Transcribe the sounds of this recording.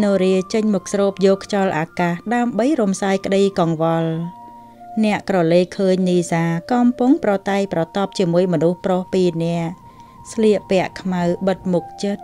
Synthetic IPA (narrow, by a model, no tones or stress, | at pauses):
noːɾiət͡ɕəɲmɔk̚srɔːp̚jɔːkʰt͡ɕɑlʔaːkaːhɗaəmɓəjrumsaːjkə̆ɗəjkɑŋʋɑl | nɛ̆əʔkrɑleːkkʰəːɲniːsaːkɑmpuŋprɑt̪aɛjprɑt̪ɑp̚t͡ɕiəmuəjmɔnuhprohpiːnɛ̆əʔ | sʰliəʔpɛ̆əʔkʰmawɓət̪̚muk̚t͡ɕət̪̚